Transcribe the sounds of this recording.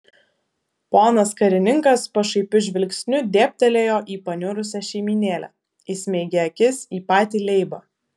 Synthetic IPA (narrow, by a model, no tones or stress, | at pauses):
poːnɐskɐɾʲɪnʲɪŋkɐspɐʃɐɪpʲʊʒʲʋʲɪlʲksʲnʲʊd̪ʲeːpʲt̪ʲɛlʲeːjoːʔiːpɐnʲʊɾʊsʲɛʃʲɛɪmʲiːnʲeːlʲæ̰ | ɪsʲmʲɛɪɡʲɛɐkʲɪsiːpɑːt̪ʲiːlʲɛɪbɐ